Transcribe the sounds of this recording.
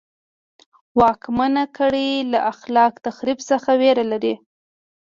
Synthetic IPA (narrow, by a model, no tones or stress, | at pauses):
wɑkmanakəɽilaʔaxlɑkt̪axɾibsəxaweɾalaɾi